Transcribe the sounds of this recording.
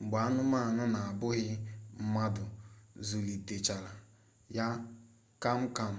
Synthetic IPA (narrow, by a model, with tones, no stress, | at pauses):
ŋ͡m̩˨ɡ͡ba˨a˦nʊ˦ma˦˨nʊ˦na˨a˨bʊ˦ɣɪ˦m̩˦ma˦dʊ˨zu˨li˨te˨t͡ʃa˨la˨ | ja˦ | ka˦m̩˦ka˦m̩˦